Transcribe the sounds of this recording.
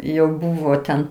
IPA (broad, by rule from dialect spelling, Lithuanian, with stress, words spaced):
jɛʊ ˈbuːʋoː tʲɛn